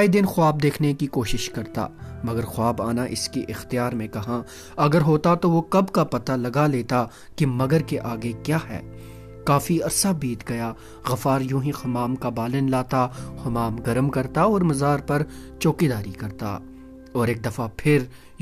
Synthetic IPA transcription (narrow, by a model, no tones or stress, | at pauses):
id̪ɪnxʊaːb̚d̪eːkʰnekikoːʃɪʃkɐɾt̪a̰ːmɐɡəɾxʊaːbaːnaʔɪ̰skeʔɪxt̪ijaːɾmẽkɐɦã | ɐɡəɾɦoːt̪at̪oʋokɐbkapɐt̪alɐɡaleːt̪a | kimɐɡəɾkeʔaːɡekjaːɦɛ̰ː | kaːfiɐɾsabiːt̪ɡɐja | ɣɐfaːɾjũːɦĩxɐmaːmkabaːlɪnlaːt̪ahʊmaːmɡɐɾmkɐɾt̪aɔːɾmɐzaːɾpɐɾt͡ʃoːkid̪aːɾikɐɾt̪a̰ | ɔːɾeːk̚d̪ɐfapʰɪɾ